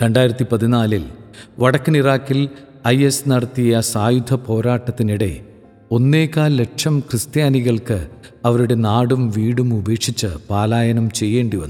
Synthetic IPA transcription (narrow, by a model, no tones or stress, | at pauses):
ɾe̞ɳɖaːjiɾɐt̪ːipɐðinaːlilʋɐɽɐkːɨniraːkːil | ɐjesnɐɽɐt̪ːijɐsaːjud̪ʱʰɐpo̞ːɾaːʈːɐt̪ːiniɽe̞̰ | o̞nːe̞ːkːaːlːe̞kʂɐmkrɨst̪jaːniɣɐɭkɨ | ɐʋɐɾuɽe̞naːɽumʋiːɽumube̞ːʂit͡ɕːɨpaːlaːjɐnɐmt͡ɕe̞jːe̞ːɳɖiʋɐnːu